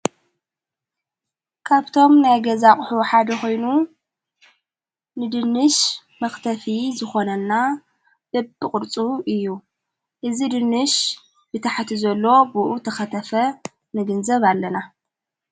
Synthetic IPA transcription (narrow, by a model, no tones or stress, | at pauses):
kʰaβt̪ʰo̞mnajɡɐzaχʼħuħad̪ɐxo̞jnu | nɨd̪ɨnːɨʃ | mɐxt̪ʰɐfizɨxo̞nɐnːa | dɨbɨkʼɨɾt͡sʼuʔɨjːu | ʔɨzid̪ɨnːɨʃ | bɨt̪ʰaħt̪ʰizɐlːo̞buʔut̪ʰɐxɐt̪ʰɐfɐ | nɨɡɨnzɐβalːɐna